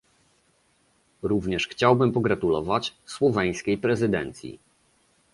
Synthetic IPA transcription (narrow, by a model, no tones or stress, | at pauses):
ɾuvɲɛʂxt͡ɕawbɘmpɔɡɾat̪ulɔvat͡ɕswɔvʲɛj̃skʲejpɾɛzɘd̪ɛ̰nt̪sʲḭ